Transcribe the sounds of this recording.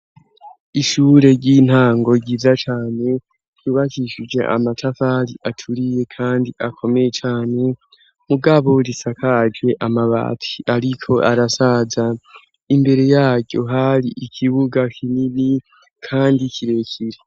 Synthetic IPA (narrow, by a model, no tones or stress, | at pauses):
iʃuːɾe̞ɾɟin̥haːŋɡo̞ɡɟiːzat͡ʃaːne̞̥ | juːβakiʃid͡ʒe̞̰ʔa̰matʰafaɾiʔatʰuɾije̞kʰaːndiʔakʰo̞me̞jet͡ʃaːne̞ | muɡaβo̞ɾisakad͡ʒwe̞ʔamaβa̰ːtʰi̥ʔaɾikʰo̞ʔaɾasaza | imbe̞ɾe̞jaːɟjo̞̰ɦaɾiʔikʰiβuɡakʰinini | kʰaːndikʰiɾe̞kʰiɾe